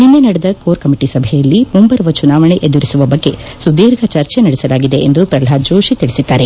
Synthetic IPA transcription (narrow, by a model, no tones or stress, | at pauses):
ninːenɐɽed̪ɐkoːɾkɐmiʈisɐbʱɛjɐlːimumbɐɾɐʋɐt͡ʃunaːʋɐɳeʔed̪uɾisuʋɐbɐɡːe̞sud̪iːɾɡʱɐt͡ʃɐɾt͡ʃenɐɽɛsɐlaːɡid̪e̞ʔend̪upɾɐlɦaːd͡ʒoːʃit̪iɭisid̪ːaːɾe